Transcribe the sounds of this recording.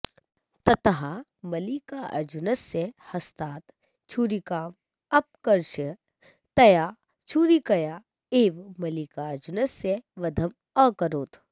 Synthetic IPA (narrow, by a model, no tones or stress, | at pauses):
t̪ɐt̪ɦamɐlikaʔɐ̰ɾd͡ʒunəsehɐst̪aːt̪ | t͡ʃʰuːɾikaːm | ɐp̚kɐɾʃə | t̪ɐjaː | t͡ʃʰuːɾikɐjaː | eːʋmɐlikaɐɾd͡ʒʊnəseʋɐd̪ʱɐm | ə̃kɐɾoːt̪ʰ